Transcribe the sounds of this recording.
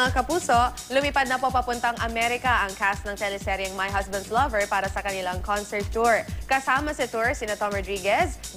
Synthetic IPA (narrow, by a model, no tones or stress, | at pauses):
ŋakɐpuːsoʔ | lʊmipad̪̚nɐpopɐpʊnt̪ɐŋʔɐmɛɾɪkɐʔɐŋkast̪nɐŋt̪ɛnɪsɛɾjɐŋmɐjɦɐsbɐ̃nd̪lɐvɛɹpaːɾɐsɐkɐnɪlaŋkonsɛɹt̪ːuɹkɐsaːmɐsit̪uɹsɪnɐt̪omɹɔd̪ɹiɡɛs